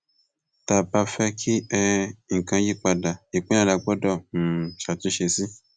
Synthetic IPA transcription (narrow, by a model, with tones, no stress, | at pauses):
ta˨ba˧fɛ˦kʰi˦ɛ˧ŋ̩˨kã˧ji˦k͡pa˧da˨i˨k͡pẽ˦ã˦la˧ɡ͡bɔ˦dɔ˦˨ʃa˨tũ˦ʃe˧sĩ˦